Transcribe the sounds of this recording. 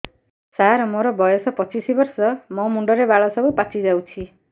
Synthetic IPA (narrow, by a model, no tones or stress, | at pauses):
saɾmoɾɔbɔjɔsɔpɔt͡ʃisibɔɾsɔmɔmuɳɖɔɾebaɭɔsɔbupat͡ʃʰid͡ʒawt͡ʃʰi